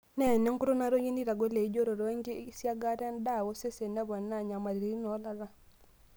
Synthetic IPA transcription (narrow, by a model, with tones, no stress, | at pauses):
nɛ˦˨nɛ˦ŋ˦ku˦ɾo˦na˦ɾo˦ɲi˦ni˦ɾa˨ɡo˦le˨i˦d͡ʒo˦ɾo˨ɾo˦ŋɡe˦sja˦ɡa˦ɾa˦nda˦˨ɣo˦se˦se˨na˦βɔ˨na˦˨ɲa˨ma˨ɾi˨ɾi˨ɾi˦nɔ˨˦la˦ɣa˦